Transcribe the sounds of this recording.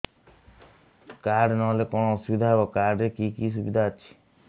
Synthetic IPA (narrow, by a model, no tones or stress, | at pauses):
kaɖnɔlekɔɳ̃ɔsubid̪ʱaɦebɔkaɖekikis̬ubid̪ʱaət͡ʃʰi̥